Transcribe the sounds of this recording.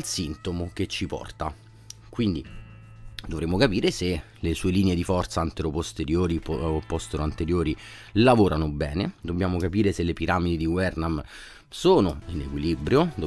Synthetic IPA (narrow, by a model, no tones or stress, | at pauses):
alsint̪omoket͡ʃːipɔ̰rt̪a | kwind̪i | d̪ovɾemːokapiːɾese | lesuːeliːneed̪ifɔrt̪saant̪eɾopost̪eɾjoːɾipɔst̪eɾoant̪eɾjoːɾi | lavoːɾanobɛ̰ːned̪obːjaːmokapiːɾeselepiɾaːmid̪id̪iwɛrnam | soːnoinekwilibɾjod̪o